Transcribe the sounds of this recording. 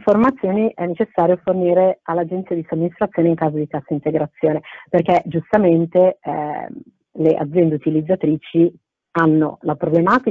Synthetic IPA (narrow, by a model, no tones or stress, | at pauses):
ɱformat̪sːjoːniʔɛnːet͡ʃesːaːɾjoforniːɾealːad͡ʒent̪siad̪isomːinist̪ɾat̪sːjoːneiŋkaːzod̪ik̪asːint̪eɡɾat̪sːjoːneperkɛd͡ʒust̪ament̪ḛ | leʔa̰d̪zːjɛnd̪eut̪ilid̪zːat̪ɾiːt͡ʃi | anːo̰lapɾoblemaːt̪i